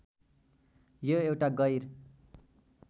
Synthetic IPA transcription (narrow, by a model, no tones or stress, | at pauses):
joewʈaɡʌjɾ